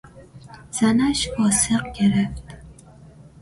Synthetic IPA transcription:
z̥anaʃbɒsɨqkʲʰeɾaft̪

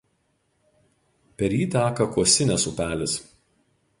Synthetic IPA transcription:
pʲɛɾʲjiːt̪ʲæːkɐkuɔsʲɪnʲɛsʊpʲæːlʲɪs

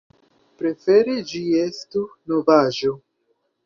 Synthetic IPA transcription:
pɾe̞fe̞ɾed͡ʒiestunovaʒo

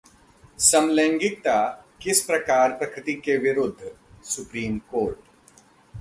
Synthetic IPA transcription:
sɐmlɛ̃ːŋɡɪk̚t̪akɪspɾɐkaːɾpɾɐkɾɪt̪ikeʋɪɾʊd̪ʱː | sʊpɾiːmkoːɾʈ

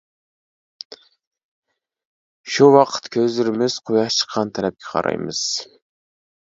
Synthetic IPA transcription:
ʃuwɑqʰə̥t̪kʲʰøzlɪɾɪmɪz̥qʰojɑt͡ʃʰə̥qʰːɑnt̪ʰælɛp̚kʲʰɛ̥qʰɑ̰ɾʔɑ̰jmɨ̰z̥

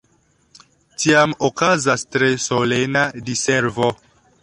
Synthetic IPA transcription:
tiamokazastɾesolenadiseɾvo

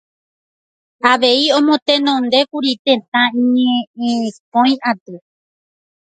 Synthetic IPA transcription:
aʋe̞iõ̞mõ̞t̪ẽ̞nõnd̪e̞kuɾit̪ẽ̞t̪ãĩɲẽẽpõj̃at̪ɨ

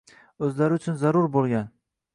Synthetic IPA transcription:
ɵzlaɾɪʊt͡ʃʰʊnzaɾʊɾbolˠɡʲan

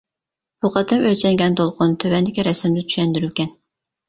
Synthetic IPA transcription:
b̥uqʰɑt̪ʰɨmøt͡ʃʰɛŋɡʲɛnt̪olˠqʰʊnt̪ʰøwɛnd̪ɪkʲiɾɛsɪmd̪ɪt͡ʃʰy̥ʃɛnd̪yɾylkʲɛn

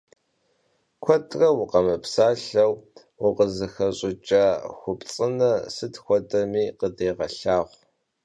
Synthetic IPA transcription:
kʷʰɔtʼrɐwʊqɐmɐpsaːɬɐw | wʊqəzɨxɐɕʼɪt͡ʃʼaxʷʊpt͡sʼɨnɐsɨtxʷɔtʼɐmiːqədeːʁɐɬaːʁʷ

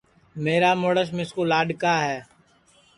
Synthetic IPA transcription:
meːɾaːmoɽəʃ̬mɪskoːlaːɖkaːɦɛː

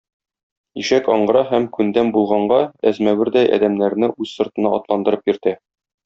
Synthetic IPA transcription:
iʃækɒɴɢɤ̆ɾɑɦæmkʉnd̪æmbulˠʁɑɴɢɑæzmæwɘɾd̪æjʔæ̰d̪æmnæɾnɘʔʉzsŏɾt̪ɤ̆nɑɒt̪lˠɑnd̪ɤ̆ɾɤp̚jɵ̆ɾt̪æ

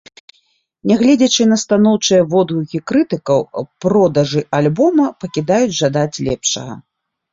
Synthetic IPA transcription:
nʲɛɣlʲɛd͡zʲɐt͡ʂɨnɐst̪anɔwt͡ʂɨjɐvɔd̪ɣuɣʲikɾɨt̪ɨkɐwpɾɔd̪ɐʐɨʔalʲbɔmɐpɐkʲid̪ajud͡zʲʐad̪at͡sʲlʲɛ̰pʂɐ̰ɣɐ̰

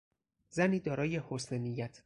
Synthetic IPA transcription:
zæniːd̪ɒːɾɒːje̞hosnenijæt̪ʰ

